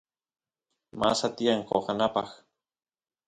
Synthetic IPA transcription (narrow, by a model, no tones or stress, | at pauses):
masat̪iaɴqoχɑnapɑχ